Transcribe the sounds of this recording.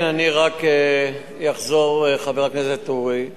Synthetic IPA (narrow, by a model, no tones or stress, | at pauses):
naniʁake | jaχzo̞ʁeχaveʁakneset̪uʁi